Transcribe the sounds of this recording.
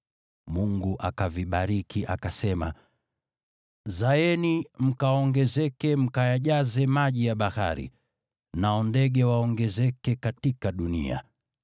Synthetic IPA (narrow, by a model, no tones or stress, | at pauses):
muŋɡuʔakaviɓaɾikʰiʔakasɛma | zaɛnim̩kaɔŋɡɛzɛkɛm̩kajaʄazɛmaʄijaɓaha̰ɾḭ | naɔndɛɠɛwaɔŋɡɛzɛkɛkatikaɗunḭa̰